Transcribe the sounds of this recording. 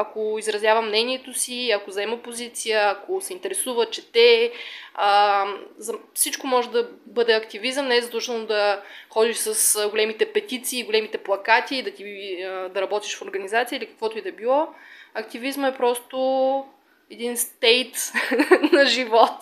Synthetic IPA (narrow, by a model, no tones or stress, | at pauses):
ɐkoizɾɐzjavɐmːnɛniɛt̪osiɐkozɐɛməpozit̪sijəɐkosɛint̪ɛɾɛsuvət͡ʃɛt̪ɛ | əzɐfsit͡ʃkomɔʒɛd̪ɐbɤd̪ɛɐkt̪ivizəmnɛɛzɐt̪ɔt͡ʃ̪ɛnod̪ɐxɔd̪iʃsɐsɡolɛmit̪ɛpɛt̪it̪siːɡolɛmit̪ɛplˠɐkat̪iːd̪ɐt̪iəd̪ɐɾɐbɔt̪iʃfoɾɡɐnizat̪sijəilikɐ̥kvɔt̪oɛd̪ɐɛbilˠɔɐkt̪ivizməɛpɾɔst̪o | ɛd̪inst̪ɛjt̪ | nɐʒivɔt̪